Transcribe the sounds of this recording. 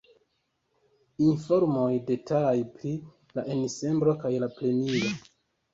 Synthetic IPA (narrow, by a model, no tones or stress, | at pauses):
info̞ɾmo̞jde̞talajpɾi | laʔenise̞mbɾo̞kajlaple̞niɾo